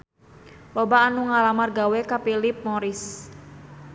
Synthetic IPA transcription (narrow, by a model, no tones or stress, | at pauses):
lobaːnuŋalamarɡawekapilip̚moɾɪs